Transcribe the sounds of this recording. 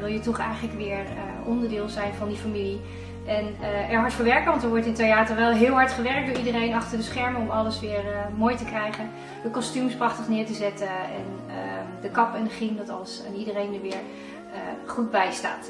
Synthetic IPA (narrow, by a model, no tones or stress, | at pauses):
ʋɪlˠjətɔχɛjχənləkʋɪːɹ | ə | ʔɔndəɹdɪːlˠzɛjnvɑndifamili | ʔɛnɛɹɦɑɹtfəɹʋɛɹkəʋɑntəɹʋɔɹtɪntejaːtəɹʋɛlˠɦɪːlˠɦɑɹtχəʋɛrk̚dʊːɹidərejnɑχtəɹdəsχɛɹməɔmɑləsʋɪːɹmoːjtəkrɛjχən | dəkɔstymsprɑχtəχnɪːɹtəzɛtəɛ̰n | ədəkɑpənəχindɑtɑlˠsanidərejndəɹʋɪːɹ | əχud̚bɛjsta̰ːt